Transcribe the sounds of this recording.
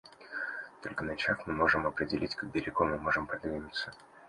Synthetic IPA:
t̪o̞lʲkənɐt͡ɕaxmɨmo̞ʐɨmɐpɾʲɪdʲɪlʲitʲkɐɡ̚bʲɪɾʲɪɡomɨmo̞ʐɨmpɾɐd̪vʲinʲɪt̪sə̥

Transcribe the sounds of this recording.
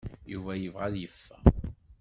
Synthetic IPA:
juvæjəvʁæðjəfːæ

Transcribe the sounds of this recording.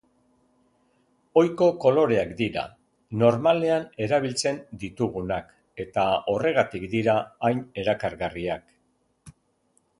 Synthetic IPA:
o̞jko̞ko̞lo̞ɾe̞akd̪iɾa̰ | no̞ɾmale̞ane̞ɾaβ̞ilt͡se̞nd̪it̪uɣ̞unak | e̞t̪ao̞re̞ɣ̞at̪ikd̪iɾaːjne̞ɾakaɾɣariak

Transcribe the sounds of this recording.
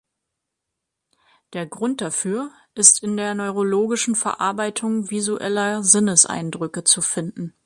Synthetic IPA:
d̥eːɐɡʁʊnt̚d̥afyːɐ | ʔɪstɪndeːɐnɔʏʁ̞oloːɡɪʃn̩fɛɐʔa̰ɐbaɪtʰʊŋvizuʔɛ̰lɐzɪnəsʔa̰ɪndʁʏkət͡sufɪndn̩

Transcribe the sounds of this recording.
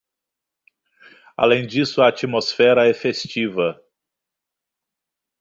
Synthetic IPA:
a̰lẽj̃d͡ʒisʊɐat͡ʃimosfɛɾɐɛfest͡ʃivɐ

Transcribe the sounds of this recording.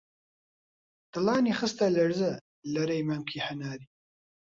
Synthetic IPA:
t̪ɨlɑːniːxɨst̪ɐlɐɾzɐ | lɐɾɐjmɐmkʰiħanaːɾi

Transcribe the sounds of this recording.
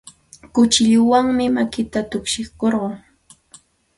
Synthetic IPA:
kʊt͡ʃɪʎʊwaŋmɪmakɪt̪at̪ʊkʃɪχkoɾɢɑː

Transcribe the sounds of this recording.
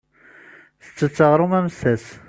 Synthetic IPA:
θə̥t͡sːət͡sːəʁɾˤʊmæmsæs

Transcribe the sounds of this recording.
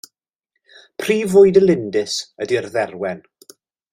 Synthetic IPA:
pʰriːvʊɨdəlˠɪndɪsədiərðɛrwɛn

